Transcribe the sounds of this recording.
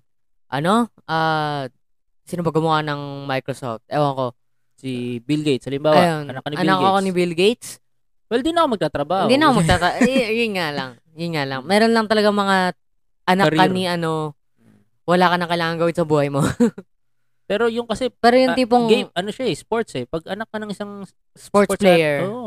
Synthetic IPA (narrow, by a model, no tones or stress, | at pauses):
ʔɐno̞ʔaː | sɪnʊpɐɡʊmʊanɐŋmajkɾoso̰ft̪̚ʔɛʔoɐko̞ | sibɪlɡejt̪sɐlɪmbaːwjonɐnɐkːɐnɪʔɐnakːoɐkonɪbɪlɡejt̪s | wɛld̪inɐkomɐɡ̚t̪aːt̪ɾɐbahod̪inɐkomɐɡ̚t̪at̪ɾɐʔjʊnŋalɐŋ | jʊnŋalɐŋmɛːɾo̞nlɐŋt̪ɐlɐɡaŋmɐŋa | ʔɐnɐɾkːaniʔɐno̞ | wɐlaːkɐnɐkɐjlaːŋɐŋɡɐwɪnsɐbuːhɐjmo̞ | pɛːɾojʊŋkɐsɛpɛːɾojʊniːp̬oŋɡʔɐnoʃaɛspoɹt̪sɛpɐɡ̚ʔɐnɐk̚ːɐnɐŋʔɪsaŋ | spoɹt̪splɛjɛɹo